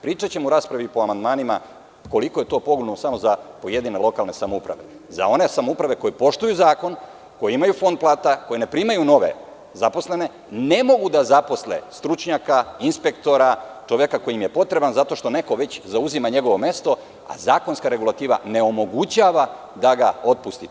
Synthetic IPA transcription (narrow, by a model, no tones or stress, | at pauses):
pɾiːt͡ʃat͡ɕe̞muɾaːspɾaʋipo̞amand̪maːnima̰ | ko̞liko̞je̞t̪o̞ːpo̞ɡlonnosamo̞zapo̞je̞d̪ine̞lˠo̞kalˠne̞samoupɾa̰ʋe̞̰ | za̰o̞ne̞samoupɾaʋe̞ko̞jepo̞ʃt̪ujuzaːko̞n | ko̞jeimajufo̞nd̪̚plˠaːt̪ako̞jene̞pɾiːmajuno̞ʋe̞̰ | zapo̞sle̞ne̞ | ne̞mo̞ɡud̪azapo̞slḛst̪ɾut͡ʃɲakainspe̞kt̪o̞ɾat͡ʃoʋjekako̞jimje̞po̞t̪ɾe̞banzat̪o̞ʃt̪o̞ne̞ko̞ʋe̞t͡ɕzauzimaɲe̞ɡo̞ʋo̞me̞st̪o̞ | a̰zaːko̞nskaɾe̞ɡulˠat̪iːʋa̰ne̞o̞mo̞ɡut͡ɕaːʋa | d̪aɡao̞t̪̚pust̪i